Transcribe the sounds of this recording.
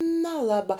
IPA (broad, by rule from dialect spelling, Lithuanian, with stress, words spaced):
nʲɛˈlˠɑːbɐ